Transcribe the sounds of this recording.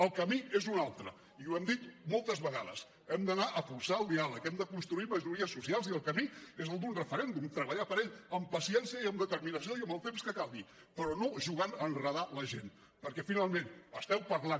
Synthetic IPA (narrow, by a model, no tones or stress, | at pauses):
əlˠkəmiezunalˠt̪ɾə̰ | iwɛmd̪it̪molˠt̪əzβəɣa̰ðə̰s | ɛmd̪ənaʔəfuɾsaəlˠd̪ialəkɛmd̪əkunst̪ɾuiməʒuɾiəsːusialˠziəlˠkəmiezəlˠd̪unrəfəɾɛnd̪umt̪ɾəβəʎapəɾeʎəmpəsiɛnsijəiəmd̪ət̪əɾminəs̬joiəmbəlˠt̪emskəkalˠβi | pəɾɔnoʒuɣanənrəð̞aləʒen | pəɾkɛfinalˠmenəst̪ɛwpəɾlan